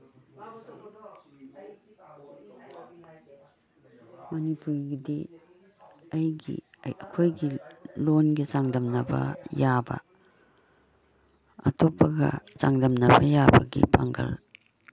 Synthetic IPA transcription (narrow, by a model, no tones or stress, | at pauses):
mɐnipuɾɡidi | ɐjɡḭ | ɐkʰojɡilonɡizaŋdɐmnɐbɐ̰jabɐ̰ | ɐtʰopːɐɡɐ̰zaŋdɐmnɐbɐjabɐ̰ɡḭpʰaŋɡɐ̰l